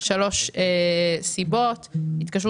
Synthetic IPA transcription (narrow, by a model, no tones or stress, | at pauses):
ʃalo̞ʃesibot̪hit̪kaʃ̬ʁu